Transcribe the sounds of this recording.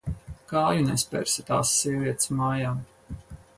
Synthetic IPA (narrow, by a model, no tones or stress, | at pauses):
kaːjunɛspʲɛ̰ɾsʲit̪a̰ːsːiɛviɛt̪smaːjaː